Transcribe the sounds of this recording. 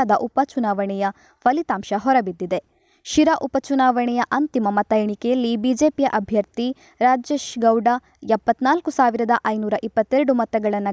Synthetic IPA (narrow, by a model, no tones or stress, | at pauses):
d̪ɐʔupɐt͡ʃunaːʋɐɳɛjɐ | pʰɐlit̪aːmʃɐɦɔɾɐbid̪ːid̪e̞ | ʃiɾɐʔupɐt͡ʃunaːʋɐɳɛjɐʔɐnt̪imɐmɐt̪ɐjɐɳikɛjɐlːibid͡ʒe̞ːpijɐʔɐbʱjɐɾt̪i | ɾaːd͡ʒeːʃɡɐwɖa | ɛpːɐt̪naːlkusaːʋiɾɐd̪ɐʔɐjnuːɾɐʔipːɐt̪ːeɾɐɽumɐt̪ːɐɡɐɭɐnːɐ